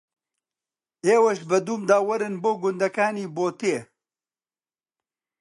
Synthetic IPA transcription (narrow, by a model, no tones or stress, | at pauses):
eːwɐʃbɐd̪uːmd̪aːwɐɾɨnboːɡʊnd̪ɐkaːniːboːt̪eː